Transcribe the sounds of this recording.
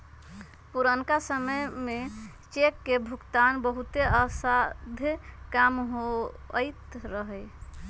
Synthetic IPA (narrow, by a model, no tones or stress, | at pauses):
puɾənkasəməjme | t͡ʃekːebʱukt̪anbəɦut̪eəsad̪ʱkamɦo | ət̪ɾəɦəj